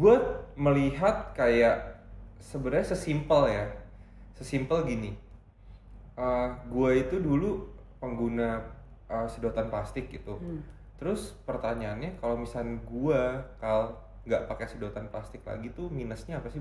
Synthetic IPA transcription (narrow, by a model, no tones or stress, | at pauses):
buat̪̚məliɦat̪̚kajaʔsəbəɾaɲasəsimpəlja | səsimpəlɡini | ʔəɡuait̪udulu | pəŋɡuna | ʔəsədot̪anplast̪ɪk̚ɡit̪u | t̪əɾʊspərt̪aɲaːnɲakalomisanɡuakal | ŋɡaʔpakasədout̪anplast̪ɪk̚la̰ɡit̪uminəsɲaːpasɪ